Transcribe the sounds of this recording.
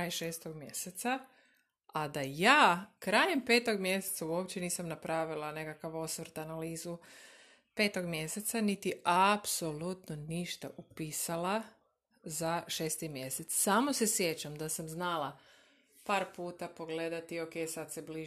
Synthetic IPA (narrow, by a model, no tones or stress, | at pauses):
ajʃeːst̪oɡmjeset̪sa | ad̪ajaːkɾajempe̞ːt̪oɡmje̞set̪sauo̞pt͡ɕeniːsamnapɾʔaʋilˠanekakaʋo̞sʋəɾt̪analiːzu | pe̞ːt̪o̞ɡmje̞se̞t̪sanit̪iapso̞lut̪noniʃt̪a̰ʔupiːsala | zaʃe̞ːst̪imje̞set̪ssaːmose̞sje̞t͡ɕamd̪asamznalˠa | paːɾpuːt̪apo̞ɡle̞d̪at̪ioke̞jsad̪sebli